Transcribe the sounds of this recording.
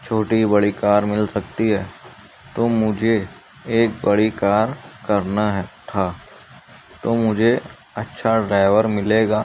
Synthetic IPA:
t͡ʃʰoːʈibɐɽikaːɾmɪlsɐkt̪iɦɛː | t̪oːmʊd͡ʒʱe | eːk̚bɐɽikaːɾkɐɾnaɦɛt̪ʰaː | t̪oːmʊd͡ʒʱe | ɐtːʃʰaɖɾaːɪʋəɾmɪleːɡaː

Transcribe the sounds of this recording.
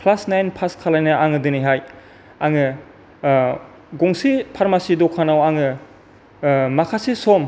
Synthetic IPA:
pʰlasnajnpʰaskʰalajnɯʔaŋɯdɯniɦaj | aŋɯ | ɡɔŋsipʰaɾmasidɔkʰanawaŋɯ | makʰasisɔm

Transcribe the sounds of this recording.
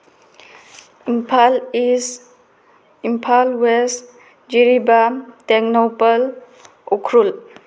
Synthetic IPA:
impʰalis | impʰalwes | d͡ʒiɾibateknopal | okʰɾul

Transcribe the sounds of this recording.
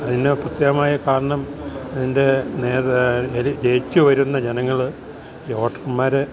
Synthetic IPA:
ɐðineprut̪jɐɣɐmaːjɐkaːɾɐɳɐmɐðinde̞neːðeid͡ʑejt͡ɕːɨʋɐɾunːɐd͡ʑe̞nɐŋːɐɭ | jo̞ːʈrmaːɾe

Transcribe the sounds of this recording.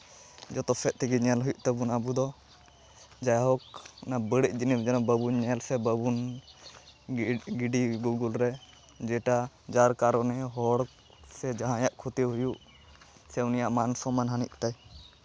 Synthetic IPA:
d͡ʒɔt̪ɔsɛʔ̪̚t̪ʰiɡiɲɛlɦujuʔt̪əbunabud̪ɔ | d͡ʒajɦɔknabəɽic̚ˀd͡ʒinimd͡ʒɛnabəbunɲɛlsɛbəbun | ɡiɖiɡuɡulɾɛ | d͡ʒɛʈa | d͡ʒaɾkaɾɔnɛɦɔɽ | sɛd͡ʒaɦãjaʔkʰut̪eɦujuʔ | sɛwnijaʔmansɔmanɦaniʔ̚t̪aj

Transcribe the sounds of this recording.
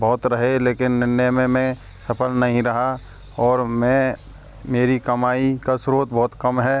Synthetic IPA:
bɔːʊt̪ɾɐɦeleːkɪnːɪnːəjmẽmɛ̃ | sɐpʰəlnɐɦĩɾɐɦa | ɔːɾmɛ̃ | meːɾikɐmaːikasɾoːt̪̚bɔːʊt̪kɐmɦɛː

